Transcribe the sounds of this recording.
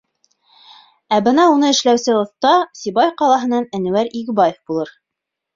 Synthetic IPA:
æbɤnɑunɤɘ̆ʃlæwsɘŏθt̪ɑsibɑjqɑlˠɑɦɤ̆nɑnænɘ̆wæɾiɡɘ̆bɑjefbulˠɤɾ

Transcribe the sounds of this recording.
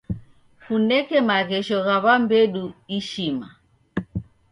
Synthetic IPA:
funɛkɛmaɣɛʃɔɣaβambɛɗuiʃima

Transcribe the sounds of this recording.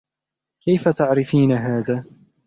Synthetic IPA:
kajfat̪aʕɾɪfiːnaɦaːðaː

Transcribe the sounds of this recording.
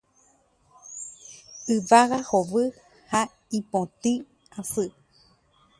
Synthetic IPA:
ɨʋaɣahoβɨ | ha | ĩpõt̪ĩ | asɨ

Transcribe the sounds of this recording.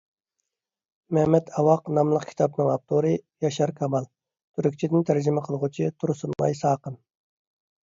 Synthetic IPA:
mɛhmɛt̪ʰɑwɑqnɑmlˠəqkʲʰi̥t̪ʰɑpnɨŋɑp̚t̪ʰoɾɨjɑʃɑɾkʰɑmɑlˠ | t̪ʰyɾykʲt͡ʃʰid̪ɪnt̪ʰæɾd͡ʒimɪqʰəlˠʁut͡ʃʰit̪ʰuɾsunmɑ̰jsɑːqən

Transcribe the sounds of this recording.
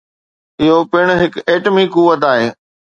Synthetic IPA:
ɪɦopɪɽ̃ɦɪkeːʈmikuːʋət̪aːɦeː

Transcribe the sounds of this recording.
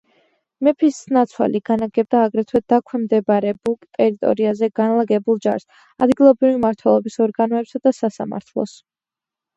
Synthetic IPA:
mɛpʰisnat̪sʰwa̰liɡ̥anaɡɛb̚d̪aːɡɾɛt̪ʰwɛd̪akʰwɛmd̪ɛbaɾɛbukʼt̪ʼɛɾit̪ʼɔ̰ɾiazɛɡanlˠaɡɛbulˠd͡ʒa̰ɾs | ad̪ɡilˠɔbɾivimaɾt̪ʰwɛlˠɔbisɔɾɡanɔɛpsad̪asasa̰ma̰ɾt̪ʰlˠɔ̰s

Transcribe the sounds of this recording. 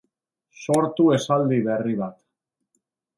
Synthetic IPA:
so̞ɾt̪ue̞sald̪iβe̞riβat̪

